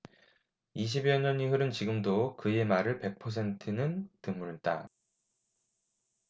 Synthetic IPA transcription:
iɕ̬ʰibiʌɲʌɲiɦɯɾɯnt͡ɕiɡɯmdokɯje̞maɾɯɭpe̞k̚pʰʌs̬ʰe̞ntʰɯnɯntɯmːuɾit͈a̰

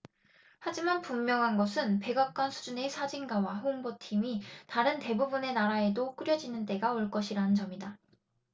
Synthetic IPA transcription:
had͡ʑimanpumːjʌŋɦanɡʌsʰɯnpe̞ɡak̚k͈wʌnsʰu̥d͡ʑune̞sʰad͡ʑinɡawaɦoŋbotʰimitaɾɯnte̞bubune̞naɾae̞dok͈ɯɾjʌd͡ʑinɯnt͈e̞ɡaoɭk͈ʌɕʰiɾanɯnt͡ɕʌmida

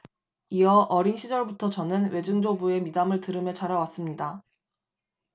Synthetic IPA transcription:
iʌʔʌɾinɕʰid͡ʑʌɭbutʰʌt͡ɕʌnɯnwe̞d͡ʑɯŋd͡ʑobue̞midamɯɭtɯɾɯmjʌt͡ɕaɾawas͈ɯmɲida

